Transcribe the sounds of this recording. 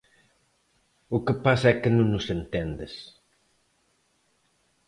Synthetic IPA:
ʊkɪpasɐɛkɪnũŋnʊsẽnt̪end̪ɪs

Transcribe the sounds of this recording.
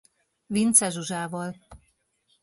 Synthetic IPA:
vint̪sɛʒuʒaːvɒl

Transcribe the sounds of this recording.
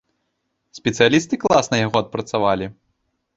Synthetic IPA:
sʲpʲɛt̪sɨjalʲist̪ɨklˠasnɐjaɣɔɐt̪̚pɾɐt̪savalʲi

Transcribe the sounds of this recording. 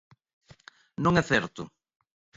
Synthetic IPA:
nõŋɛθɛɾt̪ʊ̰

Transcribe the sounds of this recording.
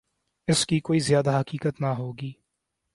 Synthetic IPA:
ɪskikoːizjaːd̪aɦɐkiːkət̪naɦoːɡiː

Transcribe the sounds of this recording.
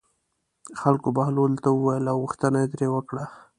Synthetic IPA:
xalkobahlolt̪awəwajəlawɣuxt̪ənajed̪ɾewəkɽa

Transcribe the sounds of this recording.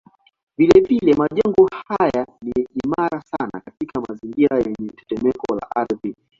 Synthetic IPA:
vilɛvilɛmaʄɛŋɡɔhajaniimaɾasana̰katikʰamaziŋɡiɾajɛɲɛtɛ̥tɛmɛkɔla̰ʔaɾði

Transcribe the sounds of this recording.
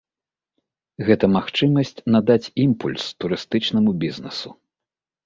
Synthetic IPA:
ɣɛt̪ɐmaxt͡ʂɨmɐsʲt͡sʲnad̪at͡sʲimpulʲst̪uɾɨst̪ɨt͡ʂnɐmubʲiznɛsu

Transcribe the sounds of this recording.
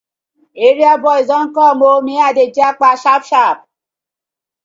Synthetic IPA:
eɾiabɔizɔŋ̩kɔmomiaded͡ʒiak͡paʃapʃap̚

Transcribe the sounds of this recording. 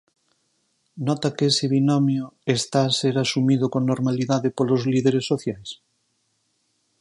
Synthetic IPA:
nɔt̪akeseβinɔmjoest̪aːseɾasumiðokonnoɾmaliðaðepolozliðeɾesːoθjajs

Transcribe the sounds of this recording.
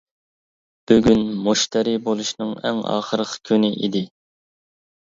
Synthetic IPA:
b̥yɡʲynmuʃt̪ʰɛɾibolˠuʃnɨŋɛ̰ŋɑ̰ːχəɾəqʰkʲʰynɪʔḭd̪ɪ

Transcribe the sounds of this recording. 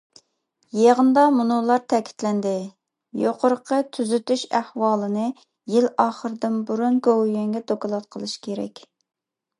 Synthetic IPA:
jeʁənd̪ɑmunolˠɑɾt̪ʰɛkʲʰi̥t̪lɛnd̪ɪ | joqʰʊɾəqʰət̪ʰyzyt̪yʃæhwɑːlˠɨnɨ | jilɑːχəɾɨd̪ɨnbuɾunɡowjɛŋɡʲɛt̪ʰokɑlˠɑt̪̚qʰəlˠɨʃkʲʰeɾɛ̰kʲ

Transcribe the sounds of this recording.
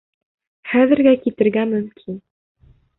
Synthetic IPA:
χæðɘ̆ɾɡækit̪ɘ̆ɾɡæmɵ̆mkʰin

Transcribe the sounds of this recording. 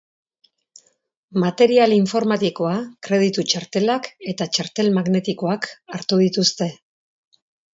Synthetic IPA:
mat̪e̞ɾialiɱfo̞ɾmat̪iko̞akɾe̞ð̞it̪ut͡ʃaɾt̪e̞lake̞t̪at͡ʃaɾt̪e̞lmaɣne̞t̪iko̞akaɾt̪uð̞it̪ust̪e̞

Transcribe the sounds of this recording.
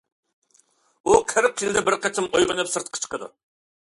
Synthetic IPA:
uqʰəɾɪqjild̪ɛbɪɾqʰɛt͡ʃʰɪmojʁənɨpsɨɾt̪qʰə̥t͡ʃʰə̥qʰəd̪ṵ

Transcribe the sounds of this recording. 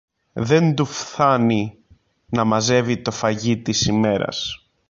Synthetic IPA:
ðe̞nd̪ufθɐni | nɐmɐze̞vit̪o̞fɐʝit̪isime̞ɾɐ̰s

